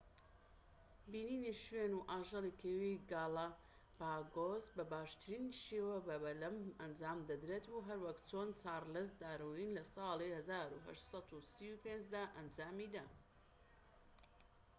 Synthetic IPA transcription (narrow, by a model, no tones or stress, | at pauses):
biːniːniʃɥenuʔaːʒɑlˠikʰewiɡɑːla | baːɡozbɐbaːʃt̪ʰɨɾiniʃeːwɐbɐbɐlɐmɐnd͡ʒaːmd̪ɐd̪ɾeːt̪uɦɐɾwɐk̪t͡sʰoːnt͡saːɾlɐs̬d̪aːɾojinlɐsɑːlihɐzaːɾuɦɐ̰ʃt̪sˤɑt̪usiupend͡ʒd̪aːʔɐnd͡ʒaːmid̪a